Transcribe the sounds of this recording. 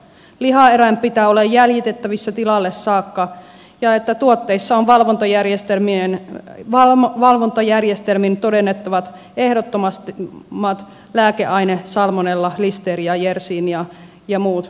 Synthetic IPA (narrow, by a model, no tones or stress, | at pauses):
lihɑeræmppit̪æːolejjæljit̪et̪ːæʋisːɑt̪ilɑlːessɑːkːɑ | jɑet̪ːæt̪uot̪ːeisːɑoʋʋɑlʋont̪ɑjærjest̪elminenʋɑʋɑlʋont̪ɑjærjest̪elmint̪odenːet̪ːɑʋɑt̪ | ehdot̪ːomɑst̪imːɑt̪ | læːkeʔɑinesɑlmonelːɑlist̪eːrijɑjersiːnjɑ | jɑmuːt̪